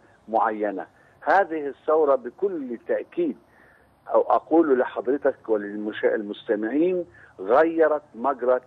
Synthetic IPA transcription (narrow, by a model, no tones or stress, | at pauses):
mʊʕajːana̰ | haːðɪhɪsːɑwɾˤɑbɪkʊlt̪ːaʔkiːd̪̚ | ʔa̰wʔaquːllɪħɑd̪ˤɾɪt̪akwɪlɪmʊʃɪlmʊst̪amɪʕiːn | ɣajːɑɾˤɑt̪maɡɾˤɑ